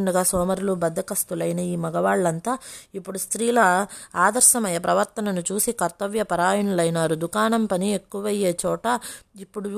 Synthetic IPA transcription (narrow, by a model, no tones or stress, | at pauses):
ɳɖuɡaːsɔːmɐɾulubɐd̪ːɐkɐst̪ulɐjnɐiːmɐɡɐʋaːɭːɐnt̪aːipːuɽust̪ɾiːlɐaːd̪ɐɾʃɐmɐjɐpɾɐʋɐɾt̪ɐnɐnut͡ʃuːsikɐɾt̪ɐʋjɐpɐɾaːjɐɳulɐjnaːɾud̪ukaːnɐmpɐnie̞kːuʋɐjeːt͡ʃɔːʈɐipːuɽu